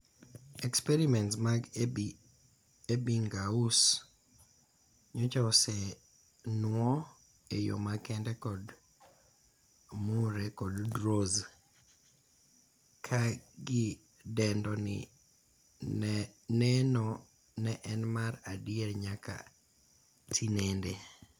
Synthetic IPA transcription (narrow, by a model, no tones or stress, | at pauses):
ɛkspɛɾimɛntsmaɡ | ebiŋɡaus | ɲot͡ʃasɛ | nwɔ | ejo̰makɛndɛkɔd | muɾɛkɔddɾoz | kʰaɡɪ | dɛndɔnɪ̰ | nɛnɔ | nɛʔɛnmaɾadɪeɾɲaka̰ | tʰinende